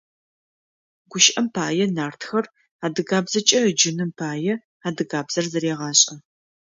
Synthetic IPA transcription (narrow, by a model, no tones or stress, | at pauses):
ɡʷʊʃʔɐmpʰaːjɛnaːrtxɐr | aːdɨɣaːbzɐt͡ʃʼɐəd͡ʒɪnɨmpʰaːjɛ | aːdɨɣaːbz̥ɐrzɐɾeːʁɑːɕʼɐ